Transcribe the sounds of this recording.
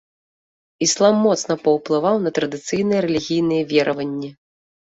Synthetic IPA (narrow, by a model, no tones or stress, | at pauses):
islˠamːɔt̪snɐpɐwplˠɨvawnɐt̪ɾɐd̪ɨt̪sɨjnɐjɛɾɛlʲiɣʲijn̪ɨjɛvʲɛɾʔɐvɐnʲːɛ